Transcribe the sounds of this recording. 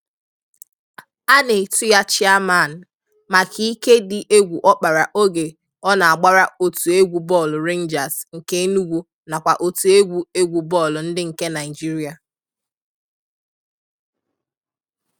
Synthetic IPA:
a˦ne˨tʊ˦ja˦t͡ʃɪ˦a˦ma˦˨n̩˨ | ma˨kʰi˨˦i˦ke˦dɪ˨ʔe˦ɡʷu˨ʔɔ˦k͡pa˨ɾa˨ʔo˦ɡe˨ | ɔ˦na˨a˨ɡ͡ba˦ɾa˦o˨tu˨e˦ɡʷu˨bɔ˦˨lʊ˨ɾe˦n̩˦d͡ʒa˨sŋ̩˨ke˦nu˦ɡʷu˦ | na˨kʷa˨ʔo˨tu˨e˦ɡʷu˨˦e˦ɡʷu˨bɔ˦˨lʊ˨n̩˦dɪ˦ŋ̩˨ke˦na˨ɪ˨d͡ʒi˦ɾi˨a˨

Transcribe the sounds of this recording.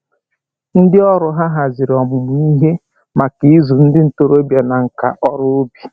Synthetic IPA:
n̩˦dɪ˦ɔ˦ɾʊ˨ɦa˦ɦa˨zɪ˨ɾɔ˨mʊ˨mʊ˨i˦ɦe˦ | ma˨ki˦i˦zu˨n̩˦dɪ˦n̩˨to˦ɾo˦bja˨na˨ŋ̩˨ka̰˨ʔɔ˦ɾʊ˦o˦bi̥˨

